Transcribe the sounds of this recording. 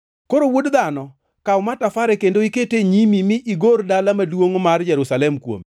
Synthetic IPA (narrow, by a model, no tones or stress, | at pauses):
koɾowodd̪anɔ | kaʊmatafaɾɛkendoiketeɲimimɪʔiɡordalamadwoŋmard͡ʒɛɾusalɛmkwo̰mi